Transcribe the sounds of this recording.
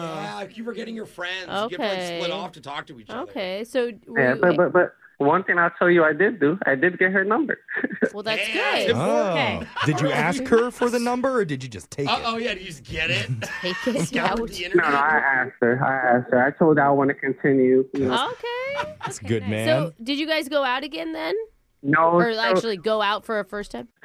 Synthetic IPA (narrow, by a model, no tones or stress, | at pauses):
ækjɨə˞ɡɛɾɪ̃ŋjə˞fɹɛ̃ndʔzoʊkɡɪelɪɾɔftʰɨtʰɔk̚tʰɨit͡ʃoʊkʰeɪsoʊjæb̥ʌt̚b̥ʌt̚b̥ʌt̚ | wʌ̃nθɪ̃ŋaɪlˠtʰoʊlˠjɨaɪdɪdɨa̰ɪdɨd̚ɡɛt̚ɦə˞nʌ̃mbə̰˞wɛðæsɡ̥ʊdo | dɨd͡ʒɨæskhə˞fə˞ðɨnʌ̃mbə˞ːdɨd͡ʒɨd͡ʒʌstʰeɪoʊjædɨd͡ʒʌsɡ̥ɛɾɪttʰeɪkɪonoʊnoʊaɪʔæsk̚t̚ə˞a̰ɪæst̚ə˞aɪtʰoʊlˠdaɪlˠwɑ̃nɨkʰɨ̃ntʰɪ̃njʉjnooʊkʰeɪtsɡ̥ʊd̚mæsõndɨd͡ʒɨɡaɪzɡoʊaʊɾɨɡɛ̃nðɨ̃n | noʊækʊt͡ʃul̩ˠiɡoʊaʊtfə˞ɨfɜ˞stʰãɪ̃m